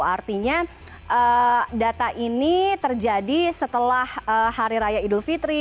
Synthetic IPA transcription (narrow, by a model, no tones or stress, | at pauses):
art̪iɲa | ʔədat̪aʔinit̪ərd͡ʒadisət̪əlahəhaɾiɾajaidʊlfit̪ɾi